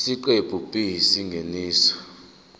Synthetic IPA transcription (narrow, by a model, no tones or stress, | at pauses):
siǃeb̥ʱubʼiɦisiŋɡʱeniːsɔ̥